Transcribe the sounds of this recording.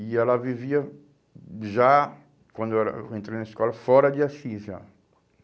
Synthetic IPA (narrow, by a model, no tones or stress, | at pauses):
iɛlɐviviɐ | ʒa | kwɐ̃nd̪oɛɾɐ̰ẽnt̪ɾejnɐiskɔlɐfɔɾɐd͡ʒ̪ɪasĩza̰